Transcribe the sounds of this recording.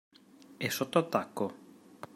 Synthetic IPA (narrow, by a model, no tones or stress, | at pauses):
ɛsot̪ːoat̪ːakːo